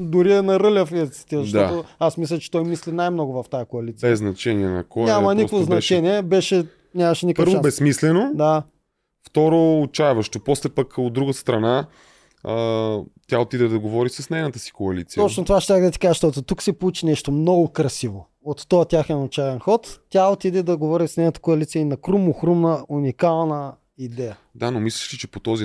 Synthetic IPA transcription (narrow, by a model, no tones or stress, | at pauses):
d̪ʊɾiɛnɐɾəlʲɐfit̪si̥t̪izɐʃd̪ɔat̪oasmislʲɐt͡ʃɛ̥t̪ɔjmislinajmnɔɡʊvɐft̪ajəkoɐlit̪iɛznɐt͡ʃɛniɛnɐ̰kɔnʲamɐnikkvoznɐt͡ʃɛniɛbɛʃɛ | nʲamɐʃɛnikɾvobɛsmislɛnod̪a | ft̪ɔɾoːt͡ʃajvɐʃt̪opɔslɛpəkod̪d̪ːɾuɡəst̪ɾɐna | ət̪ʲjaot̪id̪ɛd̪ɐɡovɔɾisəsnɛjnət̪əsi̥koɐlḭt̪sij̪ɔt͡ʃnot̪ovaʃɛt̪ʲaxd̪ɐt̪i̥kazʃt̪ɔt̪ot̪uksɛpolˠut͡ʃinɛʃt̪omnɔɡʊkɾɐsivo̰ | ot̪ːɔjət̪ʲaxɛnot͡ʃavɛnxɔt̪ːʲaot̪id̪ɛd̪ɐɡovɔɾisnɛjnət̪ə̥koɐlit̪sijəinɐkɾumʊxɾumnəunikalˠnə | id̪ɛjə | d̪anomislɐʃt̪it͡ʃɛpot̪ɔzi